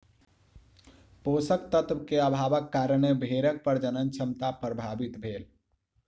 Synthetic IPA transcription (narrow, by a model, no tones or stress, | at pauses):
posəkt̪ət̪ʋkeəbʱabəkːaɾəɳebʱeɾək̚pəɾd͡ʒənənt͡ʃʰəmt̪apɾəbʱabit̪bʱel